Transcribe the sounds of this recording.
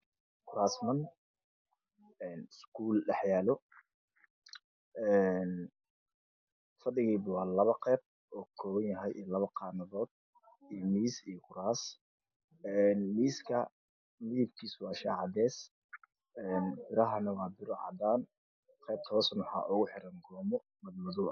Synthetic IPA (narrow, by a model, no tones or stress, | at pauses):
kʰʊɾaːsmɐn | ɛːnskʰuːlɖɑħjaːlɔ | ʔɛn | fɐd̪ɪɣɛːbwɑːlɐβɐqɛːb̚ | ɔːkʰɔːwɐnjɐɦɛjʔɛːlɐβɐqɑːnɐðɔːd̪̚ | imiːsijɔkʊɾaːs | ɛnmiːskʰɐ | mɪðɪb̚kʰiːswɑːʃaːʕɑd̪ɛːs | ɛnbɪɾɐɦɐnɐwɑːbɪɾɔʕɑ̰d̪aːn | qɛːb̚t̪ʰɔːsnʊħɑ̰ːʔʊɣʊħɪɾɐŋɡɔːmɔ | mɐðmʊðʊ